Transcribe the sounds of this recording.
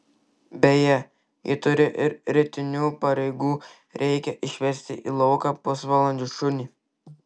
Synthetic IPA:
bʲɛjɛ | jḭːt̪ʊɾʲɪʔɪɾɾʲɪt̪ʲɪnʲuːpɐɾʲɛɪɡuː | ɾʲɛɪkʲɛʔɪʃʲʋʲɛɾʲsʲt̪ʲɪʔḭːlˠɔʊkɑpʊsʋɑːlˠɐnʲd͡ʒʲʊʃʊnʲiː

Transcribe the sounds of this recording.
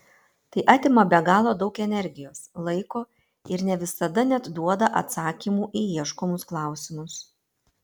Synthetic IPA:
t̪ɐɪʔɑːt̪ʲeːmɐbʲɛɡɑːlˠoːd̪ɒʊkɛnʲɛɾʲɡʲɪjoːslˠɐɪkoː | ɪɾnʲɛʋʲɪsɐd̪ɐnʲɛt̪d̪uɔd̪ɐʔɐt̪sɑːkʲiːmuːʔiiɛʃkɔmʊsklˠɑˑʊsʲɪmʊs

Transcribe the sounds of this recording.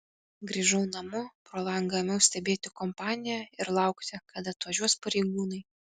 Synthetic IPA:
ɡɾʲiːʒɐʊnɐmʊpɾolˠɐŋɡɐmʲɛʊsʲt̪ʲɛbʲeːt̪ʲɪkɔmpɑːnʲɪjæɪɾlˠɑˑʊkt̪ʲɪkɐd̪ɐt̪ʋɐʒʲuɔspɐɾʲɛɪɡuːnɐɪ

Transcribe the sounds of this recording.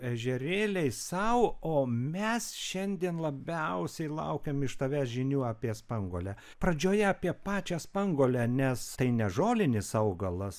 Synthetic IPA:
ɛʒʲɛɾʲeːlʲɛɪsɐʊoːmʲɛsʃʲɛnʲd̪ʲiɛnlˠɐbʲɛʊsʲɛɪlˠɐ̰ʊkʲɛmɪʃt̪ɐʋʲæːsʒʲɪnʲuːɑːpʲiɛspɐŋɡoːlʲæ | pɾɐd͡ʒʲoːjɛɐpʲiɛpɑːt͡ʃʲɛspɐŋɡoːlʲænʲɛst̪ɐɪnʲɛʒoːlʲɪnʲɪsɐʊɡɐlˠɐs

